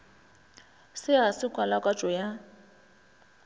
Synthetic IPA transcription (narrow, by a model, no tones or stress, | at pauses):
sɪasɪkʼwalakʼat͡ʃʼɔja